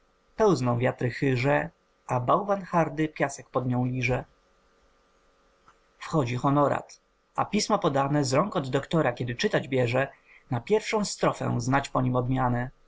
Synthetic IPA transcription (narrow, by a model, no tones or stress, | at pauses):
pɛwznɔ̃w̃vʲjat̪ɾɘxɘʐɛ | ʔabawvanxaɾd̪ɘpʲjasɛk̚pɔd̪ɲɔ̃w̃lʲiʐɛ | fxɔd͡ʑixɔnɔɾa̰t̪ | a̰pʲismɔpɔd̪anɛzɾɔŋkɔd̪ːɔkt̪ɔɾakʲɛd̪ɘt͡ʂɘt̪ad͡ʑbʲjɛʐɛ | napʲjɛɾfʂɔ̃w̃st̪ɾɔfɛ̰znat͡ɕpɔɲimɔd̪mʲjanɛ